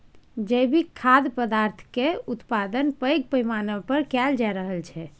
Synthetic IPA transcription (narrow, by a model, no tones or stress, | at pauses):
d͡ʒəjbʱikʰːad̪pəd̪aɾt̪ʰkeut̪pad̪ənpəjɡ̚pəjmanəpəɾkɛld͡ʒaɾəɦəlt͡ʃʰɛ